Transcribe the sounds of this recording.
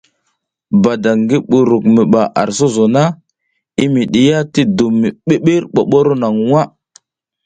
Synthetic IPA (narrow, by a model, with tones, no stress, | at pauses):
ba˨da˨ŋɡi˦ɓu˨ɾu˨kmi˨ɓa˨ʔa̰˨ɾso˦zo˨na˦ | i˦mi˨ɗi˨ja˦ti˦du˨mːi˨ɓe˦ɓi˦ɾɓo˨ɓo˦ɾo˦na˨ŋwa˦